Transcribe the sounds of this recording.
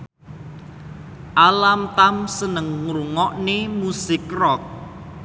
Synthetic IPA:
ʔalamt̪amsənəŋːɾuŋɔʔnemusɪkrɔk̚

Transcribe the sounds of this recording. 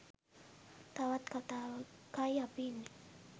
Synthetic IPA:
t̪awat̪kat̪akajapini

